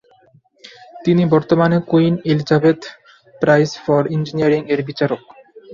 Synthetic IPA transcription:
t̪inibɔɾt̪omanekoinelid͡ʑabed̪ | pɾajsfɔɾind͡ʑiniaɾiŋeɾbit͡ɕaɾok

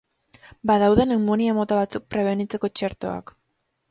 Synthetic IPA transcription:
baðawðe̞nemoniamo̞t̪aβat͡suk̚pɾe̞β̞e̞nit͡se̞ko̞t͡ʃe̞ɾt̪o̞a̰k

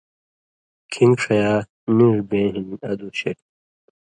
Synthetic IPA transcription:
kʰĩŋɡʂʰɐjaː | niɾbẽːɦinɐd̪uɕeʈ̚

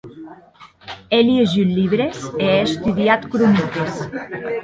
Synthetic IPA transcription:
eleʒiliβɾeseeest̪uðiat̪kɾunit̪es

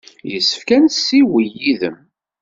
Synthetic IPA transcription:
jəsːə̥fkænsːiwijiðəm

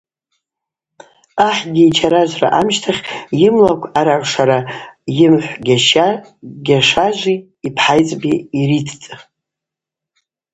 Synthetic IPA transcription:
aħɡʲiːt͡ʃʰaɾaʒʷra̰ʔamʃtʰaχʲjɪmlakʷʰaɾarʷʂaɾajɪmħʷɡʲaʃ | ɡʲaʂaʒʷi | ipʰħajt͡sʼbiiɾitʰt͡sʼ

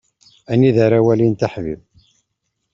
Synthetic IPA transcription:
ænːiðaɾæwælint̪aħvḭv

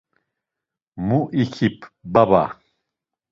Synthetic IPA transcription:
muʔikʰipʰbaba̰

